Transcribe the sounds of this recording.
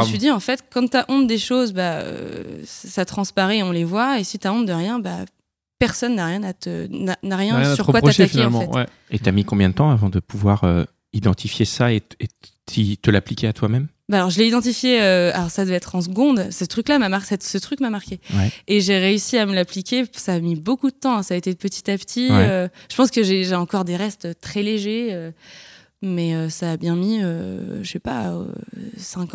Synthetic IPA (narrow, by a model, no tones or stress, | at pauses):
t̪ɥid̪iɑ̃fɛt̪kɑ̃t̪yaʔɔ̃t̪̚d̪eʃozbaø̰ssat̪χɑ̃spaʁɛɔ̃levwaesit̪yaɔ̃t̪̚d̪əʁjɛ̃ba̰ | pɛʁsɔnːaʁjɛ̃nat̪ənanaʁjɛ̃jsyʁkwataafkineɑm̃ɛtw̪ɛ | et̪yamikɔ̃mbjɛ̃d̪ət̪ɑ̃avɑ̃d̪əpʰuvwaʁø | id̪ɑ̃t̪ʰifjesaee | it̪əlaplikʲeat̪ʰwamɛm | baːlɔʁʒəlɛid̪ɑ̃t̪ifjeøa̰lɔʁsad̪əvɛɛt̪χɑ̃s̬ɡɔ̃d̪sət̪χyklamamasɛt̪sət̪χykmamaʁkʲewɛːʒeʁeysiaməlaplikʲesaːmibokud̪ət̪ɑ̃ɛ̃saːet̪epət̪i̥t̪apt̪ʰiwɛøʒə̥pɑ̃skəʒeʒeɑ̃kɔʁd̪eʁɛst̪øt̪χɛleʒeø | mɛøsaːbjɛ̃miø̰ʃəfɛpa̰ø̰sɛ̃k